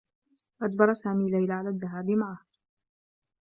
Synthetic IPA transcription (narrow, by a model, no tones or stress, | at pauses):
ʔad̪bɑɾˤɑsaːmiːlajlaʕalaːðːaɦaːbɪmaʕah